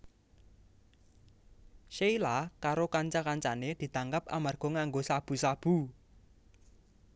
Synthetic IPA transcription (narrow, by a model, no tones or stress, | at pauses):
ʃeilakaɾokaɲt͡ʃakaɲt͡ʃa̰ned̪̥i̤t̪aŋkap̚a̰marɡ̥ɔ̤ŋaŋɡosab̥ṳsab̥u